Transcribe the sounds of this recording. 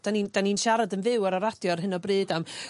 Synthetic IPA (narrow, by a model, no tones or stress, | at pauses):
d̥anind̥aninʃaɾadənvɪwaɾaɾad̥jɔrɦɨnɔbrɨːdam